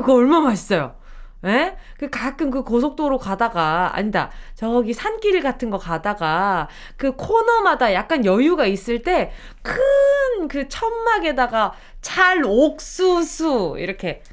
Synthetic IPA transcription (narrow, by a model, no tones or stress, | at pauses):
kɯʌɭmamaɕʰi̥s͈ʌjo̰ | ne̞kɯkak͈ɯmkɯkos̬ʰok̚t͈oɾokadaɡaa̰ɲida̰t͡ɕʌɡisʰank͈iɾiɭɡatʰɯnɡʌkadaɡa | kɯkʰonʌmadajak̚k͈anjʌjuɡais͈ɯɭt͈e̞ | kʰɯnkɯt͡ɕʰʌmːaɡe̞daɡa | t͡ɕʰaɾok̚s͈usʰuḭɾʌkʰe̞